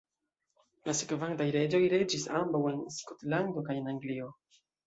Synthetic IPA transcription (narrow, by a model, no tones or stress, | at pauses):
lasekvantajɾe̞d͡ʒo̞jɾe̞d͡ʒisambawe̞nskotlando̞kaje̞naŋɡlio̞